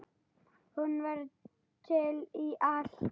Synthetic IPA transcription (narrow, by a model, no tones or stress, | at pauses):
hunvaɾ | t̪ʰɪliʔaɬ